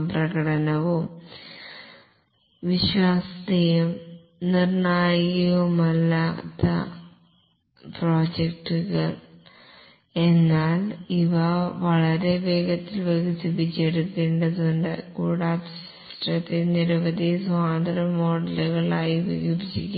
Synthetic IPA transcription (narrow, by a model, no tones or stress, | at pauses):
prɐɣɐɽɐnɐʋum | ʋiɕwaːsɐd̪ijum | nirɳaːjɐʋumɐlːaːt̪ːɐ̰ | pro̞ːd͡ʑek̚ʈːuɣɐɭ | e̞nːaːliʋɐʋɐɭɐɾe̞be̞ːɡɐt̪ːilʋɐɣit̪ːubit͡ɕːeɽukːeːɳɖɐðuɳɖɨkuːɽaːd̪ | sʈrɐt̪ːiniɾɐʋɐd̪isʋaːd̪ɐɾɐmo̞ːɽɐluɣɐɭaːjiʋḭjubd͡ʑikʲːa